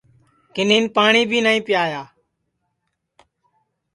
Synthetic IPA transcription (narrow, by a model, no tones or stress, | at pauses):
kɪnĩːnpaːɳiːbʱiːnaːĩːpɪjaːjaː